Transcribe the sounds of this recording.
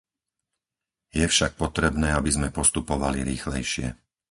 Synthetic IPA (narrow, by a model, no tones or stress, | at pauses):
jɛfʃak̚pɔt̪ɾɛbnɛːabizmɛpɔst̪upɔʋaliɾiːxlɛjʃɪɛ̰